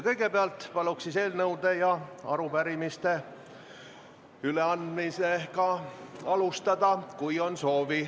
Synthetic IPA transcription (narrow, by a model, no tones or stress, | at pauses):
kɤjɡe̞peɑlt̪ˑpɑluksise̞ːlnɤwd̪e̞jɑɑɾupæɾimist̪e̞ | yle̞ɑnd̪̥mise̞kɑɑlust̪ɑd̪̥ɑkujo̞nso̞ːvi